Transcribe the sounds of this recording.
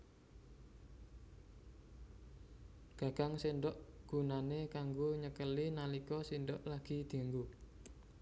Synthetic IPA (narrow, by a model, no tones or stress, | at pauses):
ɡ̥a̤ɡ̥aŋsenɖɔʔɡ̥ṳnanekaŋɡoɲəkəlinalikɔsindɔʔlaɡ̥i̤d̪̥i̤ŋɡu